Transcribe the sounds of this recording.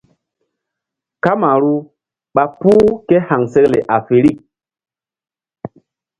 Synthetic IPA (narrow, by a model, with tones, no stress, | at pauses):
ka˦ma˨ɾu˦ | ɓa˦puː˦ke˦ha˨ŋse˦klḛ˨ʔa˨fe˨ɾi˦˨k̚